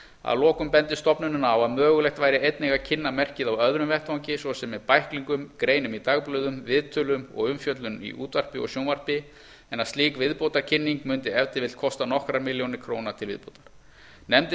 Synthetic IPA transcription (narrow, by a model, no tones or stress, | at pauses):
a̰ðlɔːkʏmpɛnt̪ɪst̪ɔpnʏnʏnaawaðmœːɣʏlɛxt̪vajɾɪejt̪nɛɣacʰɪnːamɛr̥cɪðawœðɾʏmvɛht̪hawɲcɪsvɔsɛmːɛðpajhkliŋkʏmkɾeːjnʏmit̪aːɣplœːɥðʏmvɪðt̪ʰʏlʏmɔ̰ɣʏmfjœt̪lʏmḭʔṵːt̪var̥pɪɔ̰sjownvar̥pɪ | ɛnaðst̪iːkvɪðpowt̪aɾ̥cʰɪnːiŋkmʏnt̪ɪɛvt̪ɪvɪlt̪̚kʰɔst̪anɔhkɾamɪljownɪɾ̥kʰɾoːwnat̪ʰɪlvɪ̰ðpowt̪ḁɾ̥ | nɛmt̪ɪ